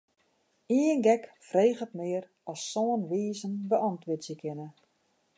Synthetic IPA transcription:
iənɡɛkfreːχətmɪər | ɔsːɔːənʋiːzənbəʔɔntʋɪtsjəkʰɪnə

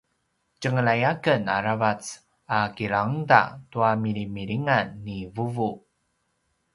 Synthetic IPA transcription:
cəŋəɭajakəna̰ɾavat͡s | akiɾaŋda̰tuamiɾimiɾiŋanːivuvu

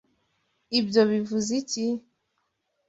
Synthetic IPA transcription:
ibjoβivuzici

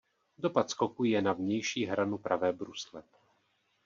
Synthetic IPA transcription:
do̞pat̪sko̞kujɛnavɲɛjʃiːɦɾanupɾavɛːbɾuslɛ

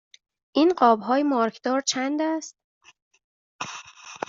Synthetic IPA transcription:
ʔiːnɢɒːbɦɒːjemɒːɾkʰd̪̥ɒːɾt͡ʃʰænd̪æst̪̚

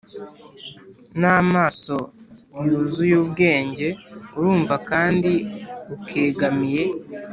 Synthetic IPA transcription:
naːmaːso̞juzujuːbɡe̞ːɲɟe̞uɾuːɱvakaːndiukʰe̞ːɡamiɾe̞

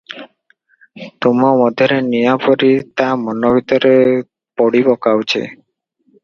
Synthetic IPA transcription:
t̪omomɔd̪ʱeɾenijapoɾit̪amɔnobit̪ɔɾe | poɽibɔkawt͡ɕʰḛ

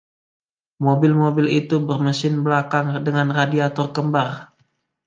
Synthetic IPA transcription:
mobɪlmobɪlit̪ubərməsɪnbəlakaŋdəŋanradiat̪ɔrkəmbar

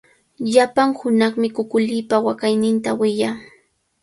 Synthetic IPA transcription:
ʎapaŋhʊnɑχmɪkʊkʊʎɪːpawakajnɪnt̪awɪjaː

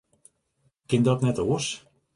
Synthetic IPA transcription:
kɪndɔtnɛtoːs

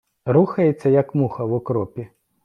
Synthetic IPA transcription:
ruxɐjet͡sʲːɐjɐkmuxɐwukɾɔpʲi

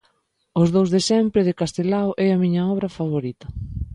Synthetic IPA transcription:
ʊzðowzðesɛmpɾɪðɪkast̪elawʔɛɐmiɲɐɔβɾɐfaβoɾit̪ɐ

